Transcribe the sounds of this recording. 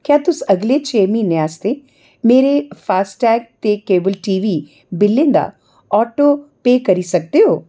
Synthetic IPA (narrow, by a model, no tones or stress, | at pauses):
kjaːt̪ʊsəɡleːt͡ʃʰeːmĩːneaːst̪eː | meːɾeːpʰaːsʈɛːk̚t̪eːkeːbəlʈiːʋiː | bɪlːɪ̃nd̪a̰ː | ɔːʈoːpeːkəɾiːsək̚d̪eɦoː